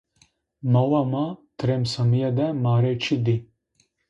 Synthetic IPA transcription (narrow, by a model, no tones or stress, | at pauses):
mɐwamat̪ɾemsɐmijad̪ɛmaːɾet͡ʃʰid̪i